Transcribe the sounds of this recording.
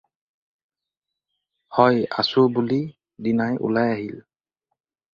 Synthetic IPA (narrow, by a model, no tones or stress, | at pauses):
hɔja̰subuli | dinajṵlajaɦil